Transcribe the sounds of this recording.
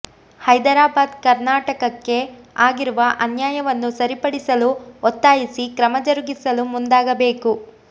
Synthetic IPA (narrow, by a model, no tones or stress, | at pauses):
hɐjd̪ɐɾaːbaːd̪kɐɾnaːʈɐkɐkːe̞ | aːɡiɾuʋɐʔɐnjaːjɐʋɐnːusɐɾipɐɽisɐluɔt̪ːaːjisikɾɐmɐd͡ʒɐɾuɡisɐlumund̪aːɡɐbe̞ːku